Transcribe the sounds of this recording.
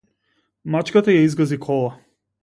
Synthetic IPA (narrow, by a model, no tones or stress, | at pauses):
mat͡ʃkat̪ajaizɡɔzikʰɔlˠa